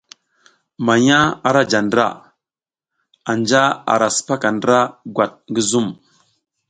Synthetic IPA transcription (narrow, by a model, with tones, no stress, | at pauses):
ma˨ɲa˦a˨ɾa˦d͡ʒa˨ndɾa̰˦˨ | a˨nd͡ʒa˦a̰˨ɾa˨sə̥˨pa˦ka˨ndɾa˦ɡwa˨t̚ŋɡə˦zu˦˨m